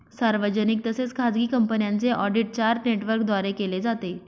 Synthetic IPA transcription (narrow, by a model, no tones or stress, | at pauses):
saɾʋəd͡ʑənik̚t̪əset͡skʰad͡zɡiːkəmpənjant͡seʔɔɖiʈ̚t͡ɕaɾneʈʋəɾk̚d̪ʋaɾekeled͡zat̪e